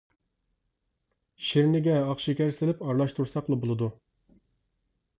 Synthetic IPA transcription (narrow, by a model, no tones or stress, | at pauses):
ʃiɾnɪɡʲɛɑχʃikʲæɾsɪlɪpɑɾlˠɑʃt̪ʰuɾsɑqlˠɨbolˠɨd̪u